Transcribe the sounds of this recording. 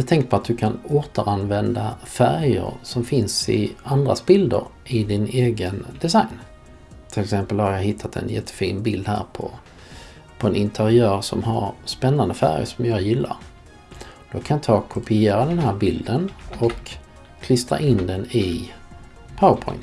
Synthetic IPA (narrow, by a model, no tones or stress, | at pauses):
at̪ʰɛŋk̚pʰɔat̪̚d̪ɵkʰanoːt̪əɾanvɛnd̪afæɾjə̰ɾsɔmfɪnsɪ̰and̪ɾa̰sbɪld̪ə̰ɾʔɪd̪ɪneːɡənd̪ɛsajn | t̪ʰɪlɛksɛmpəlhaɾjɑɦɪt̪ʰːat̪ʰɛ̰njɛt̪ʰːə̥fiːnbɪld̪hæ̰ːɾpʰɔ̰ | pʰɔɛnʔɪnt̪ʰəɾɪœːɾsɔmɦaɾspɛnːand̪əfæ̰ɾjə̰ʂɔmjɑːjɪlːa̰ɾ | d̪̥ɔkʰanɑt̪ʰɑːkʰʊpɪeːɾad̪ɛnhæːɾbɪld̪ənɔkːʰ | lʏst̪ɾa̰ʔɪnd̪ɛnɪ | pʰaʊəɾpʰɔ̰ʏn